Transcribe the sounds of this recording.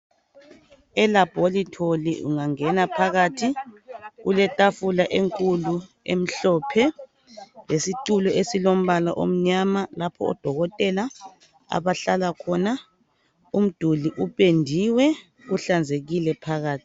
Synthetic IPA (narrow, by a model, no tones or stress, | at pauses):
ɛlab̥ʱolitʰoliṵŋaŋɛnapʰaɣatʰiɣulɛtʼafulaʔeŋkʼulu | ḛm̩ɬɔːpʰɛ | lesiǀulɔesilom̩βalaʔo̰m̩ɲamalapʰɔ̰ɔ̰d̥ʱɔɣɔtʼɛla | a̰βaɬalakʰɔna | um̩d̥ʱuliʔupʼendʱiwɛ | ɣuɬand͡zʱeɣilɛpʰaɣaːtʰi̥